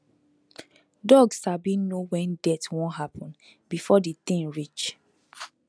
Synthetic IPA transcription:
dɔɡsabinowɛ̃ndɛtwɔ̃nɦapʰɔ̃nbifɔdit̪ĩŋɹit͡ʃ

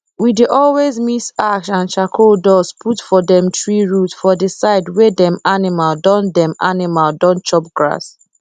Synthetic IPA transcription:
wideʔɔlwezmisaksãnt͡ʃakʰodɔzpʰutfɔdɛ̃mtʰɹiɹutfɔdəsaɪdwɛdɛ̃manimaldɔ̃ndɛ̃ma̰nimaldɔ̃nt͡ʃɔp̚ɡɹa̰s

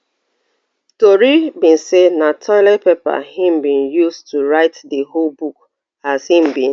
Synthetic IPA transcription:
toɹibĩnsenatʰɔlɛpepa̰hĩmbĩnjustuɹaɪtdeholbuk̚ | az̥hĩmbĩn

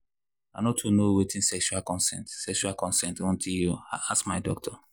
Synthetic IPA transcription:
anɔtʰːunowetʰĩnsɛkʃualkɔ̃nsɛ̃ntsɛkʃualkɔ̃nsɛ̃ntɔ̃ntʰiljuaasmaɪdɔk̚tʰɔ

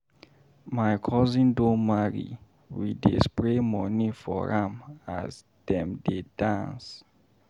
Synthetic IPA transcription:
majkʰɔzĩndõmaɹḭ | widḛspɹemɔnĩfɔ̰ɹama̰z | d̥ɛ̃mdedãns

